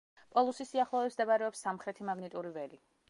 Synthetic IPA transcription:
pʼɔlˠusisiaχlˠɔɛbsd̪abaɾɛɔpsːamχɾɛt̪ʰimaɡnit̪ʼuɾivɛɾi

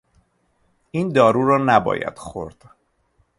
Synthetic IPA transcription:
iːnd̪ɒːɾuːɾɒːnæbɒ̰ːjæ̰d̪̥xo̞ɾd̪̥

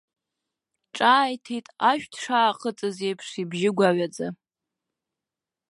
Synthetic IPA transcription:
ʈ͡ʂʼaːjtʰejtʼaʃᶣdʰʂaːqʼət͡sʼɨzejpʰʂibʒɪɡʷaɥad͡za

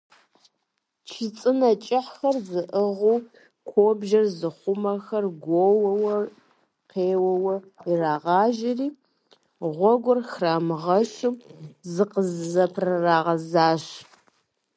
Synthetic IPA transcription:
t͡ʃʰɪt͡sʼɨnɐt͡ʃʼɪħxɐrzɨʔəʁuw | kʷʰoːbʒɐrzɨχʷʊmɐxɐrɡʷowɐwɐ | qeːwɐwɐiraːʁɑːʒɪriː | ʁʷɔɡʷʊrxraːmɨʁɐʃɨmzɨqəzzɐpʰrɨraːʁɐzaːʃ

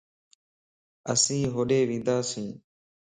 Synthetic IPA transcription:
əsĩːɦoːɗeːʋĩːnd̪aːsĩː

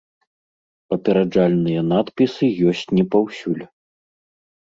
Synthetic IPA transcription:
pɐpʲɛɾad͡ʐalʲnɨjɐnat̪pʲisɨjɔsʲt͡sʲnʲɛpawsʲulʲ

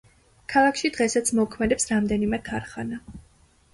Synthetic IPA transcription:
kʰalˠakʰʃid̪ʁɛsat̪sʰmɔkʰmɛd̪ɛpsɾamd̪ɛnimɛtʰaɾχana

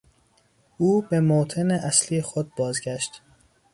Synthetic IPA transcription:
ʔuːbemot̪ʰeneʔæsliːjexod̪̚bɒːzɡæʃt̪

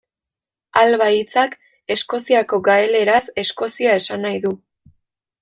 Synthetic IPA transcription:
alβait͡sak | e̞sko̞siako̞ɡaele̞ɾase̞sko̞siae̞sanajðu

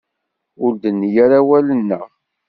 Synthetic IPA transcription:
ʊld̪ənːjaɾawælənːə

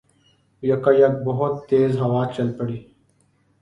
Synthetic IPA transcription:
jɐkajɐk̚bɐɦʊt̪ːeːzɦɐwaːt͡ʃɐlpəɽiː

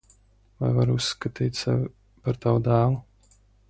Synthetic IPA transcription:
va̰jvaɾusːkat̪iːt̪ʲsɛvi | paɾt̪awud̪aːlu

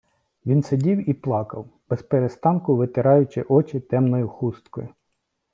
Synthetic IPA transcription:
ʋʲinsedʲiwiplˠɑkɐwb̥ɛspeɾest̪ɑnkʊʋɪt̪ɪɾɑjʊt͡ʃɪʔɔt͡ʃɪt̪ɛmnɔjʊxust̪kɔjʊ

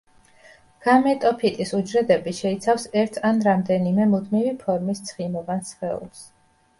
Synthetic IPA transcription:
ɡ̥amɛt̪ʼɔpʰit̪ʼisud͡ʒɾɛd̪ɛbiʃɛit̪sʰafsɛɾt̪ʰanɾamd̪ɛnimɛmud̪mivipʰɔɾmist̪sʰχimɔvansχɛṵlˠs

